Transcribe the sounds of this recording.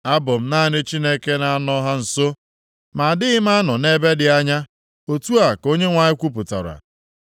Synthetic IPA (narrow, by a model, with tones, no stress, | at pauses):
a˦bʊ˨m̩˨˦naː˦˨nɪ˦t͡ʃi˦ne˦ke˦na˦a˦nɔ˦ɦa˦n̩˨so˦ | ma˨a˨dɪ˦ɪ˦m̩˦a˦nɔ˨ne˦be˦dɪ˨a˦ɲa˦ | o˨tu˦a˨ko˦ɲe˦ŋʷa˨ɲɪ˦kʷu˦p̬ʊ˨ta̰˨ɾa̰˨